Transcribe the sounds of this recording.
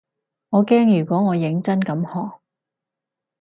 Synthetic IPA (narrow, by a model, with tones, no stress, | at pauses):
ŋɔː˨˧kɛː˥ŋjyː˨˩kʷɔː˨˥ŋɔː˨˧jɪ˨˥ŋt͡sɐ˥nkɐ˨˥mhɔː˨˩k̚